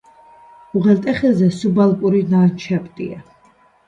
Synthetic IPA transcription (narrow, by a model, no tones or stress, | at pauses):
uʁɛlt̪ʼɛχɛzɛsubalˠkʼuɾinaːnt͡ʃʰɛpʼt̪ʼḭa̰